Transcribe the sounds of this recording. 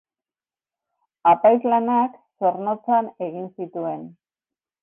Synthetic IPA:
apajzlanakso̞ɾno̞t͡sane̞ɣinsit̪ue̞n

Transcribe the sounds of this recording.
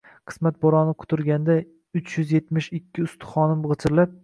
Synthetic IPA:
qʰɨ̥smat̪̚boɾɒnɪqʰʊ̥t̪ʰʊɾɡʲand̪a | ʊt͡ʃjʏzje̞t̪mɪʃɪkʲʰːɪʊst̪ʰɪ̥χɒnɪmʁɨt͡ʃ̪ʰɪɾlap̚

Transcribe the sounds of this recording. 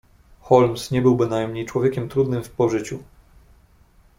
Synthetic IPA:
xɔlmsɲɛbɘwbɘnajmɲejt͡ʂwɔvʲjɛkʲɛmt̪ɾud̪nɘmfpɔʐɘt͡ɕu

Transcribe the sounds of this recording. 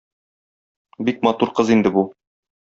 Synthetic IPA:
bik̚mɑt̪uɾqɤzind̪ɘbu

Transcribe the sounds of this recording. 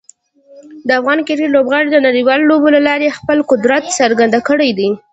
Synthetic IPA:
d̪əafɣɑnkɪɾilobɣɑɽid̪ənaɽiwɑlolobolalɑɾexpəlqʊd̪ɾat̪səɾɡand̪akəɽajd̪i

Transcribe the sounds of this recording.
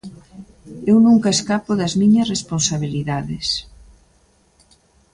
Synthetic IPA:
ewnũŋkɐeskapoðɐzmiɲɐsresponsaβ̞iliðaðɪs

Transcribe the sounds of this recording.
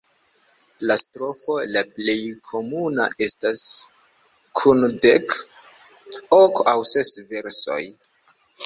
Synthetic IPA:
lastɾo̞fo̞laple̞jkʰo̞muna̰ʔe̞stas | kʰundek | okawse̞sve̞ɾso̞̰j

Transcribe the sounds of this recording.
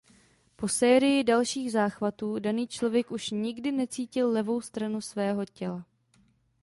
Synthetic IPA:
po̞sɛːɾɪjɪdalʃiːɣzaːxvat̪uːdaniːt͡ʃlo̞vjɛkʔuʃɲɪɡdɪnɛt͡siːcɪlːɛvo̞wst̪ɾanusvɛːɦo̞cɛla

